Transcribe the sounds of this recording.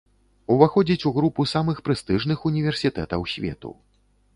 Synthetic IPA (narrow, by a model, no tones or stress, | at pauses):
uvaxɔd͡zʲit͡sʲuɣɾupusamɨxpɾɨst̪ɨʐnɨxunʲivʲɛrsʲit̪ɛ̰t̪ɐwsʲvʲɛ̰t̪ṵ